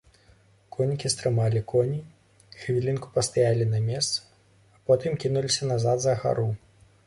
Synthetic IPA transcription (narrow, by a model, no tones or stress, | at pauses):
kʰɔnʲikʲist̪ɾɨmalʲikɔnʲi | xvʲilʲinku̥pɐst̪ajalʲinɐmʲɛst̪sɐ̥ː | pɔt̪ɨmkʲinulʲisʲɐnazad̪zɐɣa̰ɾu